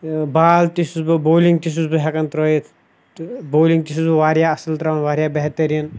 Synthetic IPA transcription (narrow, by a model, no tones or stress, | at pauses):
baːlt̪isusbɨboːliŋɡt̪is̬usbɨɦɛkɐnt̪ɾɔjit̪ʰ | boːliŋt̪is̬usbɨʋaːɾjaɐsɐlt̪ɾawɐnʋaːɾjaːbɛɦt̪ɐɾiən